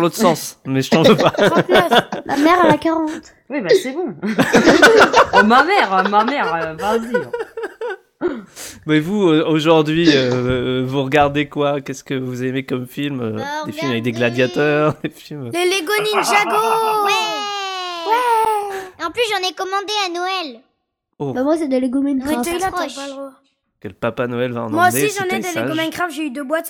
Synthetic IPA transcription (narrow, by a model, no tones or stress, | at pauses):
lot̪χəsɑ̃smɛʒənɑ̃vøpa | mʔa̰mɛʁalakaʁɑ̃t̪ | wibasɛbɔ̃ | mamɛʁmamɛʁøvãzd̪i | mɛvuøoʒuʁd̪ɥiøvuʁəɡaʁd̪ekwakʲɛskəvuzemekɔmfilmød̪efilmavɛk̚d̪eɡlad̪jat̪œʁd̪efilmleleɡɔninʒaɡowɛ | wɛ | eɑ̃plysʒɑ̃nɛkɔmɑ̃d̪eanɔɛl | obamwasɛd̪əleɡomankeaflaalʁ | kələpapanɔɛlvaɑ̰̃nmmwaod̪eisʒɑ̃nɛd̪eleaɡomankχafʒeyd̪øbwat̪